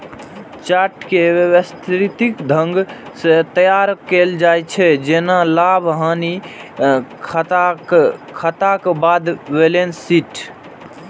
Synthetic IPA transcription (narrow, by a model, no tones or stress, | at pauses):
t͡ʃaɾʈkewewəst̪ʰɾit̪ikd̪ʱəŋɡset̪əjaɾkeld͡ʒajt͡ʃʰɛd͡ʒenalabʱɦani | kʰ | kʰət̪akbad̪belensiʈʰ